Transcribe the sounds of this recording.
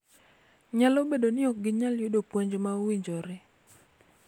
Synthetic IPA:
ɲalobedonɪɔk̚ɡɪɲaljodopwoɲd͡ʒomaowiɲd͡ʒɔɾɪ

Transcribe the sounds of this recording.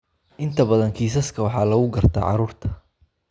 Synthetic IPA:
ʔɪnt̪ʰɐbɐðɐŋkʰiːs̬ɐskʰɐwɑħɑːlɐɣʊɡɐrt̪ʰa̰ːʕɑ̰ɾuːrt̪ʰɐ̥

